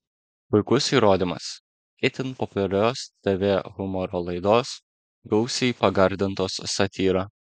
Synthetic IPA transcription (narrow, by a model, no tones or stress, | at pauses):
pʊɪkʊsiːɾoːd̪ʲimɐ̰s | kʲɪt̪ʲɪnpɔpʲʊlʲɛlʲoːst̪ʲɛʋʲeːɣʊmɔɾoːlˠɐɪd̪oːs | ɡɒʊsʲɛpɐɡɐɾʲd̪ʲɪnt̪oːsːɐt̪ʲiːɾɑ